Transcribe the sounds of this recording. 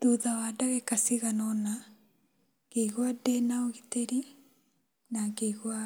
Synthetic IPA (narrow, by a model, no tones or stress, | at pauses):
duðawadaɣekasiɣanɔna | keiɣwadɛnaoɣiteɾi | naɡeiɣwa